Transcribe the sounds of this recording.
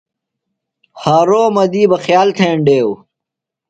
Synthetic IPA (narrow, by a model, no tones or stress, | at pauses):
haːɾoːmɐd̪iːbɐxjaːlt̪ʰeːɳɖeːw